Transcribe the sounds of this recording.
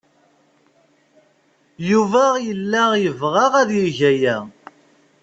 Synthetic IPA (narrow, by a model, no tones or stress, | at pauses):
juvæjəlːæjəvʁɑʁæðjəʝæjæ